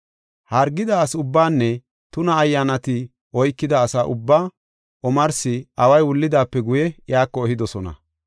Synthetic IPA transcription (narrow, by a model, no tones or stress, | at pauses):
hɐɾɡːɪd̪aːsʊbːaːnːɛ | t̪ʊnɐːjːaːnɐt̪ɪ | ɔjkːɪd̪ɐːsaːʔʊbːaː | ʔɔmɐɾsɪɐwɐjwʊlːɪd̪aːpːɛɡʊjɛjaːkːɔɛhɪd̪ɔsɔnɐ̰